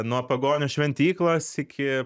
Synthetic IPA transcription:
nuɔpɐɡoːnʲʊsʃʲʋʲɛnʲt̪ʲiːklˠoːsɪkʲɪ

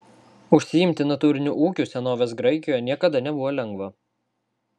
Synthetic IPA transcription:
ʊʃʲsʲɪjɪmʲt̪ʲɪnɐt̪uːɾʲɪnʲuʔuːkʲuːˑsʲɛnoːʋʲeːs̬ɡɾɐɪkʲɪjoːjɛnʲiɛkɐd̪ɐnʲɛbʊʋoːlʲɛŋɡʋɐ

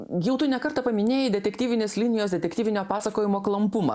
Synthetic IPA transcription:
jɛʊt̪ʊnʲɛkɐɾt̪ɐpɐmʲɪnʲeːjɛd̪ʲɛt̪ʲɛkʲt̪ʲiːʋʲɪnʲeːslʲɪnʲɪjoːsd̪ʲɛt̪ʲɛkt̪ʲiːʋʲɪnʲoːpɑːsɐkoːjɪmoːklˠɐmpʊmɐ̰

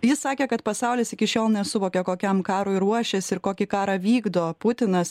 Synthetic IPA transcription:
jɪssɑːkʲeːkɐt̪pɐsɑʊlʲɪsɪkʲɪʃʲoːlˠnʲɛsʊʋoːkʲɛkoːkʲɛmkɑːɾoːɪɾuɔʃʲɛsɪɾkoːkʲɪkɑːɾɐʋʲiːɡd̪oːpʊt̪ʲɪnɐs

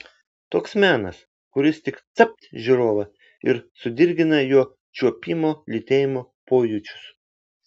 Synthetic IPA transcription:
t̪oːksmʲæːnɐs | kʊɾʲɪst̪ʲɪkt̪sɐp̚ʲt̪ʲʒʲiɾoːʋɐ | ɪɾsʊd̪ʲɪɾʲɡʲɪnɐjuɔ | t͡ʃʲuɔpʲiːmoːlʲɪt̪ʲeːjɪmoːpoːjʊt͡ʃʲʊ̥s

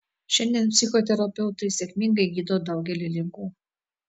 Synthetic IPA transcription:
ʃʲɛnʲd̪ʲiɛnpʲsʲɪxɔt̪ʲɛɾɐpʲɛʊt̪ɐɪsʲɛkʲmʲɪŋɡɐɪɡʲiːd̪oːd̪ɐʊɡʲɛlʲɪlʲɪŋkuː

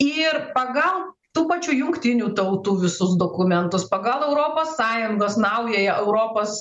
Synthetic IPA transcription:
ɪrpɐɡɐlˠ | t̪uːpɐt͡ʃʲuːjʊŋkt̪ʲɪnʲuːt̪ɐʊt̪uːʋʲɪsʊsd̪oːkʊmʲɛnt̪ʊspɐɡɐlˠɛʊɾoːpoːsːɑːjʊŋɡoːsnɐʊjɛːjɛʔɛʊɾoːpoːs

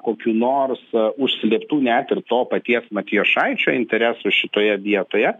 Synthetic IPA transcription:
koːkʲuːnoːrsʊʃʲsʲlʲiɛpt̪uːnʲæt̪ɪrt̪oːpɐt̪ʲiɛsmɐt̪ʲijoːʃɐɪt͡ʃʲoːɪnʲt̪ʲɛɾʲæsuʃʲɪt̪oːjɛd̪ʲiɛt̪oːjɛ

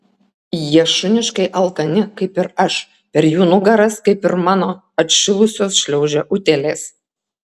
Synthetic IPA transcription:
jiɛʃʊnʲɪʃkɐɪʔɐlˠkɐnʲɪkɐɪpɪɾɐʃ | pʲɛɾjuːnʊɡɐɾɐskɐɪpɪɾmɑːnoː | ɐt̪ʲʃʲɪlˠʊsʲoːsʃʲlʲɛʊʒʲɛʔʊt̪ʲeːlʲeːs

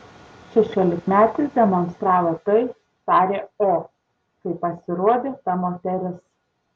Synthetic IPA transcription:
ʃʲɛʃʲuɔːlʲɪkmʲæːt̪ɪsd̪ʲɛmoːnst̪ɾɑːʋot̪ɐɪ | t̪ɑːɾʲeːoː | kɐɪpɐsʲɪɾuɔd̪ʲeːt̪ɐmoːt̪ʲɛɾʲɪs

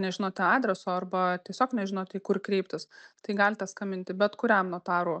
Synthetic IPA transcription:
nʲɛʒʲɪnoːt̪ʲɛɑːd̪ʲɾʲɛsoːɐrbɐt̪ʲiɛsʲoːknʲɛʒʲɪnoːt̪ʲɛkʊrkɾʲɛɪpʲt̪ʲɪst̪ɐɪɡɑːlʲt̪ɛskɐmʲɪnʲt̪ʲɪbʲɛt̪kʊɾʲɛmnuɔt̪ɑːɾoː

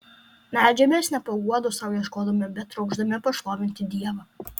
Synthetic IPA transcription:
nʲæˑːd͡ʒʲɛmʲeːsnʲɛpɐɡuɔd̪ʊsɑʊjiɛʃkoːd̪ɐmʲɛbʲɛt̪ːɾɒʊɡʒd̪ɐmʲɛpɐʃʋˠoːʋʲɪnʲt̪ʲɪd̪ʲiɛʋɐ

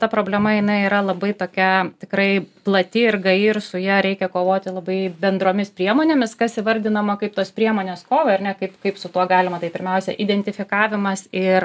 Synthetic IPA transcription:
t̪ɐpɾoːbʲlʲɛmɐjɪnɐɪiɾɐlˠɐbɐɪt̪oːkʲɛtʲɪkɾɐɪplˠɐt̪ʲɪɪrɡɐɪɪrsʊjɛɾʲɛɪkʲɛkoːʋoːt̪ʲɪlˠɐbɐɪbʲɛnd̪ɾoːmʲɪspʲɾʲiɛmoːnʲeːmʲɪskɐsɪʋɐɾʲd̪ʲɪnɐmɐkɐɪpt̪oːspʲɾʲiɛmoːnʲeːskoːʋɐɐɾnʲɛkɐɪpkɐɪpsʊt̪uɔɡɑːlʲɪmɐt̪ɐɪpʲɪɾʲmʲɛʊsʲɛ̰ʔiːd̪ʲɛnʲt̪ʲɪfʲɪkɑːʋʲɪmɐsɪr

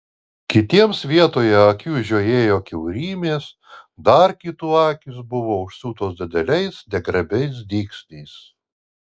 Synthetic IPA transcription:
kʲɪt̪ʲiɛmsʋʲiɛt̪oːjɛɐkʲuːʒʲoːjeːjoːkʲɛʊɾʲiːmʲeːs | d̪ɐɾkʲit̪uːɑːkʲɪsbʊʋoːʊʃsuːt̪oːsd̪ʲɪd̪ʲɛlʲɛɪsnʲɛɡɾɐbʲɛɪs̬d̪ʲiːksʲnʲɛɪs

